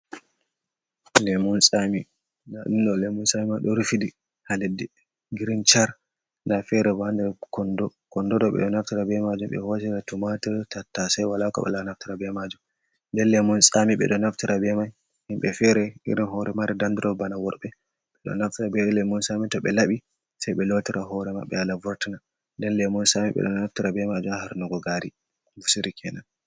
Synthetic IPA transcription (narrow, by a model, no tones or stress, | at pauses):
lɛmunsʼami | naɗunɗɔlemunsamimaɗɔɾufidi | haledi | ɡiɾint͡ʃaɾ | nafɛɾɛbandɛɾkɔndɔkɔndɔdɔɓɛ̰ɗɔnaftiɾabɛmad͡ʒumɓɛ̰hosiɾatumatitatːasajwalakɔ̰ɓɛ̰lanaftiɾabɛmad͡ʒum | ndɛnlɛmunsamiɓɛ̰ɗɔnaftiɾʔabɛmaj | himɓɛfɛɾɛḭɾinɦɔɾɛmaɾɛdandiɾɔbanawɔɾɓɛ | ɓɛɗɔ̰naftiɾabɛlɛmunsamitɔɓɛlaɓi | sajɓɛlotiɾaɦɔɾɛma̰ɓɛ̰alavɔɾtina | ndɛnlɛmɔnsamiɓɛ̰ɗɔnaftiɾabɛmad͡ʒumahaɾnɔɡɔɡaɾi | busiɾikʰɛnan